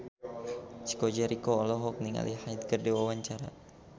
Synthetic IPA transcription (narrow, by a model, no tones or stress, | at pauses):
t͡ʃi̥kɔd͡ʒɛɾikɔːlɔɦɔk̚niŋa̰lʔihajt̪̚kərdiwawaɲt͡ʃaɾa̰